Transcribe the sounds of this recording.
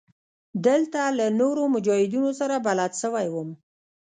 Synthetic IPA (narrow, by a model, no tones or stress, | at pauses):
d̪əlt̪alanoɾomʊd͡ʒɑhɪd̪unosaɾabalad̪ʃəwajwəm